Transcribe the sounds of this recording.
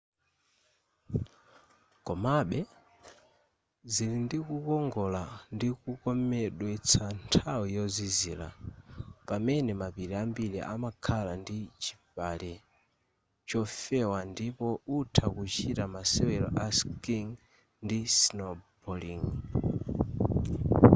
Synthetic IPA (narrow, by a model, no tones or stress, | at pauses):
kɔmaɓɛ | zilindikukɔŋɡɔlandikukɔmɛɗwɛt͡sʰantʰawijɔzizila̰ | pamɛnɛmapiɾiambiɾiʔa̰makʰalandit͡ʃi̥palɛ | t͡ʃɔfɛwandipɔutʰakut͡ʃitamasɛwɛlɔ̰ʔaskiŋ | ndisnɔbɔliŋ